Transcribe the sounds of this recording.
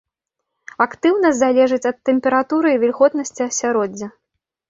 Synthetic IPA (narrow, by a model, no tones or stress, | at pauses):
akt̪ɨwnɐzalʲɛʐɨt͡sʲɐt̪ːɛmʲpʲɛɾat̪uɾɨivʲilʲɣɔt̪nɐsʲt͡sʲiɐsʲaɾɔd͡zʲːɐ